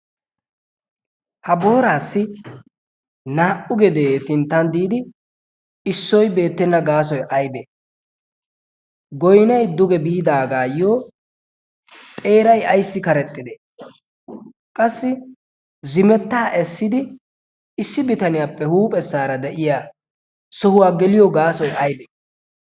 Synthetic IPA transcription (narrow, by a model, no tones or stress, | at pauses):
hɐbo̞ːɾaːsːɪ | naːʔʊɡɛd̪eːsɪnt̪ːɐnd̪iːd̪ɪ | ɪsːɔjbe̞ːt̪ːɛnːɐɡaːs̬ɔjʔɐjbe | ɡɔjnɐjd̪ʊɡɛbiːd̪aːɡaːjoː | t̪ʼe̞ːɾɐjɐjsːɪkɐɾɛt̪ʼːɪd̪e | kʼɐsːɪ | zɪmɛt̪ːaːʔɛsːɪd̪ɪ | ɪsːɪbɪt̪ɐnɪjaːpːɛhuːpʼɛsːaːɾɐd̪ɛʔɪjaː | sɔhʊwaːɡɛlɪjɔɡaːsɔjʔɐjbe